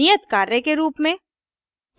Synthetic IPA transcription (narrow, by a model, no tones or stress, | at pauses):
ijət̪kaːɾekeɾuːpmẽ